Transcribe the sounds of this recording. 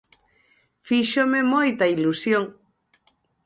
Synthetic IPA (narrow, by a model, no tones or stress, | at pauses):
fiʃomemojt̪ailusjoŋ